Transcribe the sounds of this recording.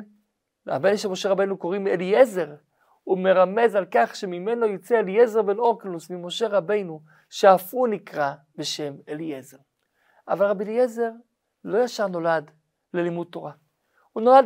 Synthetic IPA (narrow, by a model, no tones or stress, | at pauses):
a̰benʃemo̞ʃeʁabe̞jnuko̞ʁimelieze̞ʁ | ume̞ʁame̞zalkaχʃe̞mime̞no̞jot͡seelijeze̞ʁbeno̞klusmimo̞ʃe̞ʁabe̞jnu | ʃeafunikʁa | be̞ʃe̞melieze̞ʁ | ʔavalʁabilieze̞ʁ | lo̞jaʃaʁno̞lad | lelimud̚t̪ːo̞ʁa | huno̞lad